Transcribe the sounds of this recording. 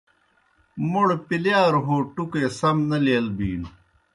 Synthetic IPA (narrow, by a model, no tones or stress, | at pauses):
muɽpiljaːɾɦoːʈukeːsɐmnɐleːlbiːn